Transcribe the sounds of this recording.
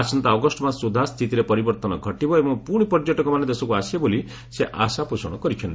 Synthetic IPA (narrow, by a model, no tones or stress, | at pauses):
asɔnt̪aɔɡɔsʈɔmasud̪ʱast̪ʰit̪iɾepɔɾibɔɾt̪ɔnɔɡʱɔʈibɔebɔ̃ŋpuɽ̃ipɔɾd͡ʒɔʈɔkɔmaned̪esɔkuaseboli | seʔasapusɔɽ̃ɔkɔɾikʰjɔni